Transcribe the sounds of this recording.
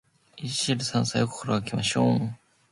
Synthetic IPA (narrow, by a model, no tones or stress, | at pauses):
iɕiɾɯ̟sãñsajoko̥koɾoɡakʲimaɕoːŋ